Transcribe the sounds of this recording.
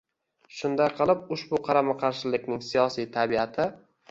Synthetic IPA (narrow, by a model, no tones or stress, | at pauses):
ʃʊnd̪ajqʰɨlˠɪp̚ʊʃbʊqʰɑɾamaqʰɑɾʃɪlɪk̚ʲnɪŋsijɒsijt̪ʰabiat̪ʰɪ